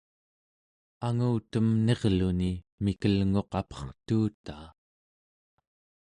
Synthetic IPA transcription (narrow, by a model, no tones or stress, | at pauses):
aŋuːt̪əmne̞ʁluni | mikəlŋo̞qɑpʌ̥χt̪uːt̪aː